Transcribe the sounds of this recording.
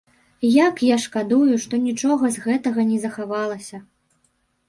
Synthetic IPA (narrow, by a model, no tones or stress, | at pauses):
jakjaʂkad̪ujuʂt̪ɔnʲit͡ʂɔɣɐzɣɛt̪ɐɣɐnʲɛzɐxavalˠɐsʲɐ